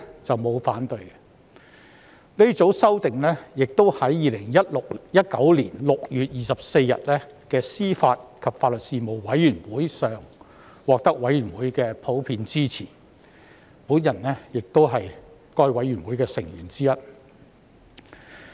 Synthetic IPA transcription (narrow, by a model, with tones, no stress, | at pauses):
t͡sɐ˨wmo˨˧wfaː˨˥nt̪ɵ˧ɥɛ˧ | ne˥t͡so˨˥wsɐ˥wt̪ɪ˨ŋlɛː˥jɪ˨k̚t̪o˥whɐ˨˥jːiː˨lɪ˨˩ŋjɐ˥t̚lʊ˨k̚jɐ˥t̚kɐ˨˥wliː˨˩nlʊ˨k̚jyː˨t̚jiː˨sɐ˨p̚se˧jːɐ̰˨t̚lɛː˥kɛː˧siː˥faː˧t̚kʰɐ˨p̚faː˧t̚lɵ˨t̚siː˨mo˨˩wwɐ˨˥jyː˨˩nwuː˨˥jsœː˨ŋ | wɔː˨k̚t̪ɐ˥k̚wɐ˨˥jyː˨˩nwuː˨˥jkɛː˧pʰo˨˥wpʰiː˧nt͡siː˥t͡sʰḭː˨˩n | puː˨˥njɐ˨˩nːɛː˥jɪ˨k̚t̪o˥wɦɐ˨jkɔː˧˥jwɐ˨˥jɥyː˨˩nwuː˨˥jkɛː˧sɪ˨˩ŋjyː˨˩nt͡siː˥jɐ˥t̚